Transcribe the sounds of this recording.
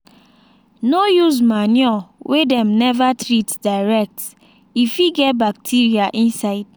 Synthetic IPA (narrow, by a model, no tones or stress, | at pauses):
nojuzmanjɔwʔedɛ̃mnɛvatɾitdaɪɹɛk̚t | ifiɡɛt̚bak̚tʰiɹiaʔĩnsaɪd̥̚